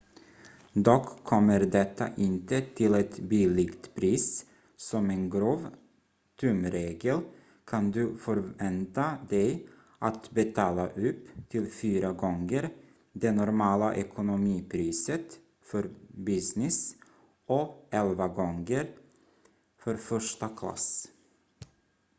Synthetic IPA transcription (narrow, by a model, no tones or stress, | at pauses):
d̪ɔkʰːɔmːəɾd̪ɛt̪ʰːa̰ʔɪnt̪ət̪ʰɪlɛt̪biːlɪɡt̪pʰɾiːs | sɔmeːnɡɾoːv | t̪ʰʉmɾeːɡəl | kʰand̪ʉfɔɾvɛnt̪ad̪ɛɪ | ʔat̪bɛt̪ʰɑːlaʔʉpːt̪ʰɪlfyːɾəɡɔŋɡəɾ | d̪enʊɾmɑːləʔɛkʰʊnʊmiːpʰɾiːsət̪ | fɔɾbɪsnɪs | ʔɔɛlʋaɡɔŋɡəɾ | fɔɾfœʂʈəkʰlɑ̰s